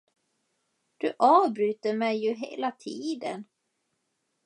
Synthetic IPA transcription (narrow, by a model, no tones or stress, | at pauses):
d̪̥ɵʔɑːvbɾyːt̪əɾmɛjːɵɦḛːlat̪ʰiːd̪ə̰n